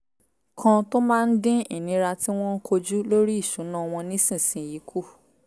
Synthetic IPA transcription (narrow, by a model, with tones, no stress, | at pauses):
kʰã˧to˦mãː˦n̩˦dĩ˦ḭ˨nĩ˨˦ɾa˧ti˦w̃ɔ̃˦ŋ̩˦kʰo˧d͡ʒu˦lo˦ɾi˦i˦˨ʃu˨˦nã˦˧w̃ɔ̃˧nĩ˦sĩ˦˨sĩ˨ji˨˦kʰu˦˨